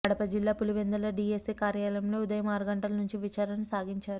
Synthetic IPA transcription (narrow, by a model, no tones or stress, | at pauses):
ɐɽɐpɐd͡ʒilːaːpuluʋend̪ɐlɐɖiesiːkaːɾjaːlɐmlo̞ːud̪ɐjɐmaːɾuɡɐɳʈɐlɐnuɲt͡ʃiʋit͡ʃaːɾɐnɐsaːɡiɲt͡ʃaːɾu